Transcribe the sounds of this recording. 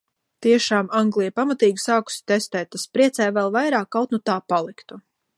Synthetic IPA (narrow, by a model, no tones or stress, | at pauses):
t̪iɛʃaːmaŋɡlˠijpamat̪iːɡʲisaːku̥si̥t̪ɛst̪ɛːjt̪̚t̪ːaspɾiɛt̪sɛjvɛlˠvajɾaːkːawt̪nut̪aːpalˠikt̪u